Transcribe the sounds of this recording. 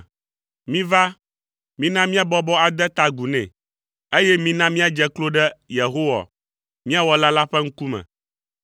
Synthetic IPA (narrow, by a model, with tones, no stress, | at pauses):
mĩ˦va˦ | mĩ˦nã˦mĩ˦a˦bɔ˦bɔ˦a˨d̪ɛ˦t̪a˨ɡu˨nɛ̰̃˨ | e˦jɛ˦mĩ˦nã˦mĩ˦a˨d͡ʒɛ˦klo˦ɖɛ˦je˨ɦo˦wa̰˨ | mĩ˦a˦wɔ˦la˦la˦ɸɛ˦ŋ̩˦ku˦mɛ̰̃˨